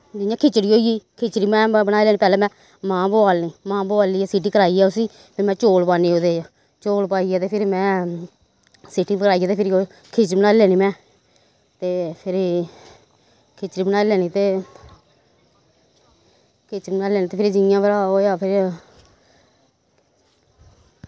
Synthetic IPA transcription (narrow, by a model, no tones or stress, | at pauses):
d͡ʒɪãːkʰɪt͡ʃɽiːoːiiːkʰɪt͡ʃɽiːmɛ̃ːbənaːilɛːnĩːpɛːlɛːmɛ̃ː | mãːboaːlniːmãːboaːliːaːsiʈiːkəɾaːiːaːʊsiː | pʰɪɾmɛ̃ːt͡ʃoːlpaːniːoːd̪eːaː | t͡ʃoːlpaːiːaːt̪eːpʰɪɾmɛ̃ː | sɪʈiːbkəɾaːijaːt̪eːpʰɪɾoː | kʰɪt͡ʃbənaːlɛːniːmɛ̃ː | t̪eːpʰɪɾ | kʰɪt͡ʃɾiːbənaːilɛːniːt̪eː | kʰet͡ʃɾibnaːlɛːnĩːt̪eːpʰɾd͡ʒɪãːbəɾaːoːjaːpʰɪɾ